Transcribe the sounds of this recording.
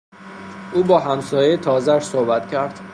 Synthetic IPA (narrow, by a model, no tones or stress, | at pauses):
ʔuːbɒːɦæmsɒːjet̪ʰɒːzæʃsohbæt̪cʰæɾd̪̥